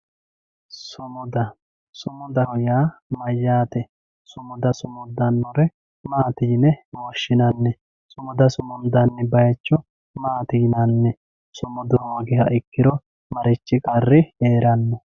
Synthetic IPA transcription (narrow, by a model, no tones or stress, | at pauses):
sʊmɔd̪ɐ | sʊmɔd̪ɐhɔjaːmɐjːaːt̪ɛ | sʊmɔd̪ɐsʊmɔd̪ɐnːɔɾɛ | maːt̪iːnɛwoːʃːɪnɐnːɛ | sʊmɔd̪ɐsʊmɔnd̪ɐnːɪbɐjɐt͡ʃːɔ | maːt̪iːnɐnːɛ | sʊmɔd̪ɔwoːɡɪhɐʔɪkːɪɾɔ | mɐɾɪt͡ʃːɪkʼɐrːɪeːɾɐnːɔ